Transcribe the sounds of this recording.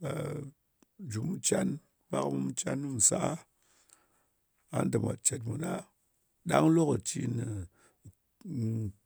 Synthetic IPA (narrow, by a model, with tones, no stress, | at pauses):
a̰˨ | d͡ʒu˨mu˧t͡ʃa˦n | pa˦kmu˦mu˧t͡ʃa˦nːɨ˦mu˨sa˦ | a̰˨˦n˦dɨ˨mʷa̰˨t͡ʃe˨t̬̚mu˨na˦ | ɗa˦ŋlo˦kə˨t͡ʃi˧nɨ˨